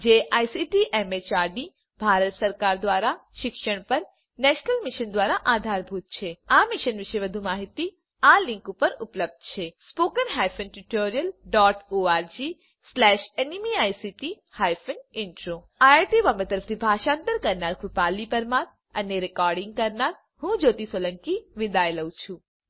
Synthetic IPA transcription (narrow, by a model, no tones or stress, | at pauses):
d͡ʒeːʔaːjsiʈiʔemet͡ʃaːɾɖi | bʱaːɾət̪sɐɾkaːɾd̪ʋaːɾaʃɪkʃəɽ̃pɐɾ | nɛːʃnəlmɪʃənd̪ʋaːɾaʔaːd̪ʱaːɾbʱuːt̪̚t͡ʃʰeaːmɪʃənʋɪʃeʋɐd̪ʱumaːɦit̪i | aːlɪ̃ŋkupɐɾʊpləb̚d̪̚ʱt͡ʃʰespoːkənɦaːjpʰənʈuʈoːɾijəlɖɔːʈoːaːɾd͡ʒi | slɛːʃenimiaːjsiʈi | hajfʰənɪɳʈɾo | ajaɾʈiʋamet̪əɾəft̪ʰibʱaːʃãːnt̪əɾkɐɾnaɾkʰʊpaːlipəɾmãɾ | ɐneɾɪkɔːɾɖɪ̃ŋɡ̚kəɾnaɾ | hũd͡ʒoːt̪isolə̃ŋkiʋɪd̪ajləwt͡ʃʰũ